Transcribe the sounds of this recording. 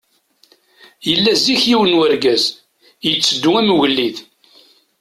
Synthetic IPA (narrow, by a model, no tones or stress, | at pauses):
jəlːæziçjiwənwæɾɡæz | jət͡sːəd̪ːuæmɣəlːið